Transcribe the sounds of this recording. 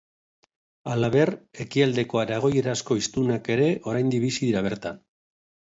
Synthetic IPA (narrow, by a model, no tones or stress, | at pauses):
alaβe̞re̞kiald̪e̞ko̞aɾaɣ̞o̞je̞ɾasko̞ist̪unake̞ɾe̞ʔo̞ɾajnd̪iβisiðiɾaβ̞e̞ɾt̪an